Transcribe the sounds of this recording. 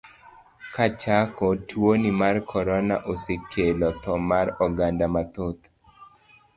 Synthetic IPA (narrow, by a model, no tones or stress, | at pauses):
kat͡ʃakɔtʰwonimarkʰɔɾɔnaʔosekʰelɔt̪ɔmaɾɔɡandamat̪ot̪